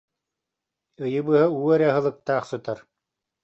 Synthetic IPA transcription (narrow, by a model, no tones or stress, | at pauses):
ɯjɯbɯːɦauːɛɾaɦɯ̆lˠɯk̚t̪aːχsɯt̪aɾ